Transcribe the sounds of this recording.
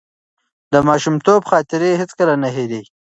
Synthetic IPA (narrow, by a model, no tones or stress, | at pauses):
d̪əmɑːʃumt̪obxɑːt̪ɪɾeɦɪt͡skəlanaɦed̪e